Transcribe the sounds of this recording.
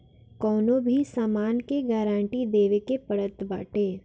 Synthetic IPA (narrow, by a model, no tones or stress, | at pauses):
kɔːnõbʱisaːmaːnkeɡaːɾãːɳʈid̪eːʋekepəɽət̪baːʈeː